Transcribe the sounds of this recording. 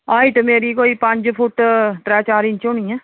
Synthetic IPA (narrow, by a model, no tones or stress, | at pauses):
aːɪʈmeːɾikoːipɐ̃ɲd͡ʒpʰʊʈʈɾɛːt͡ʃaːɾɪ̃nt͡ʃõːnĩɦɛː